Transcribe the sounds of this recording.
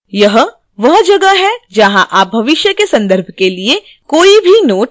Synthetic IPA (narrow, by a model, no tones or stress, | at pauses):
jɐɦ | ʋɐɦd͡ʒɐɡəɦɛd͡ʒɐɦãʔaːp̚bʱɐʋɪʃjəkesɐ̃nd̪əɾbʱkelie | koːibʱinoːʈ̚